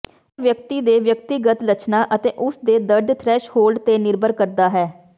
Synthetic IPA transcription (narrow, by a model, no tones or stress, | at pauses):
ʋjəkt̪iːd̪eːʋjək̚t̪iːɡət̪lət͡ʃnaːʔət̪eːʔʊsd̪eːd̪əɾd̪t̪ʰɾɛːʃhoːlɖt̪eːnɪɾbəɾkəɾd̪aːɦɛː